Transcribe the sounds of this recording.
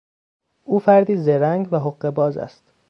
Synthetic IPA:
ʔuːfæɾd̪iːzeɾæŋɡvæɦoɢːe̞bɒːzæ̰st̪

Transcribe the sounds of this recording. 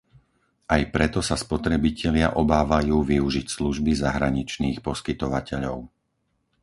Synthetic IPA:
ajpɾɛt̪ɔsaspɔt̪ɾɛbicʰɛʎɪaʔɔbaːʋajuːʋiuʒicsluʒbizaɦɾaɲit͡ʃniːxpɔskit̪ɔʋacɛʎɔʊ

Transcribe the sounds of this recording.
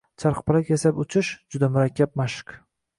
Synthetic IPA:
t͡ʃʰaɾqpɪɾakʲʰesapʊt͡ʃʰɪʃd͡ʒʊd̪amʊɾakʲːap̚maʃɪ̥k

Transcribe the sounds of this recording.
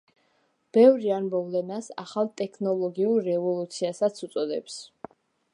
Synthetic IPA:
b̥ɛvɾianmɔvlɛnasa̰χalˠt̪ʼɛkʰnɔlˠɔɡiuɾːɛvɔlˠut̪sʰiasat̪sʰut̪sʼɔd̪ɛ̰ps

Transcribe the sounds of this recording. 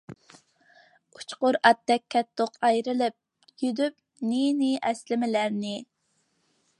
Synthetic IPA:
u̥t͡ʃqʊɾɑt̪ːɛk̚ʲʰːɛt̪ʰːoqɑjɾɨlɪp̚ | jyd̪yp̚ | ninɪʔɛslɪmɪlæɾnɪ

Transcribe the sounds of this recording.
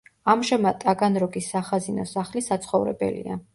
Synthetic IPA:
amʃɛmat̪ʼaɡanɾɔɡisːaχazinɔsaχlisat̪sʰχɔvɾɛ̰bɛ̰lḭa̰

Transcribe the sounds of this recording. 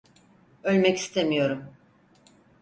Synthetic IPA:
ø̞lʲmɛci̥st̪ʰemijo̞ɾum

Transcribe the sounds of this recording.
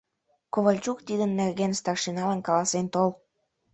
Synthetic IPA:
koβəlʲt͡ɕukt̪id̪ənːerɣenst̪ɑkʃinɑlənkɑlɑsent̪ol

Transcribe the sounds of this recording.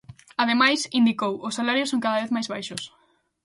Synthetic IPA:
aðemajsind̪ikowʊsalaɾjʊsõŋkaðɐβeθmajzβajʃʊs

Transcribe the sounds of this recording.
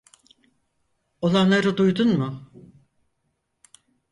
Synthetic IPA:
o̞lˠanlˠaɾɯd̪ujd̪unmʊ

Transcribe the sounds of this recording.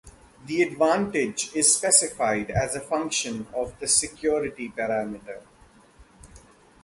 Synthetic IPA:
d̪iɛɖʋãːɳʈɪd͡ʒɪzspɛsɪfaɪɖæzəfʌ̃ŋkʃə̃nɔʋd̪əsɪkjɔːɾɪʈipəɾæːmɪʈəɾ

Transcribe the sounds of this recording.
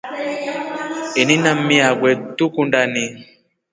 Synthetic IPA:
eninamĩaɡwɛtukundani

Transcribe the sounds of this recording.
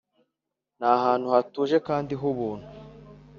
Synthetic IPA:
n̥ahaːnhuhatuːʒe̞kaːndiɦuβuːn̥hu

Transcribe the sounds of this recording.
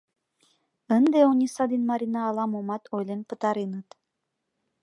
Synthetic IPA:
ənd̪eonʲisɑd̪inmɑɾʲinɑːlˠɑmomɑt̪ʰojlenpə̆t̪ɑɾinɤt̪

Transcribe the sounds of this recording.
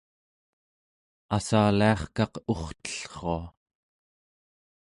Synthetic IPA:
asaliɑχkɑqoχt̪ə̥ɬχoa

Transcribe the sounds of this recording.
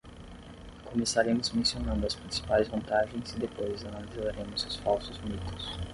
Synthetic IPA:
komesaɾẽmʊzmẽsionɐ̃nd̪ʊɐspɾĩsi̥pajzvɐ̃nt̪aʒẽj̃zid̪epojzɐnalizzaɾẽmʊzɪsfawsʊzumik̪ʊs

